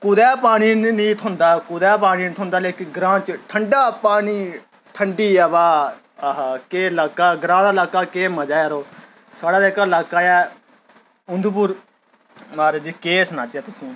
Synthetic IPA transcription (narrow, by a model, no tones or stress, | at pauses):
kʊːd̪ɛːpaːniːnĩːt̪ʰʊ̃nd̪aːkʊd̪ɛːp̬aːniːnĩt̪ʰʊ̃nd̪aːleːkɪɡɾãːnt͡ʃʈʰəɳɖaːpaːniː | ʈʰəɳɖiːaːbaː | ɦakeːlaːkaːɡɾãːd̪aːlaːkaːkeːməd͡ʒaːaɾoː | saːɽaːd̪eːkaːɪlaːkaːjɛː | ʊnd̪ʱup̬ʊːɾ | maːɾd͡ʒiːkeːsnaːt͡ʃaːt̪ʊsĩː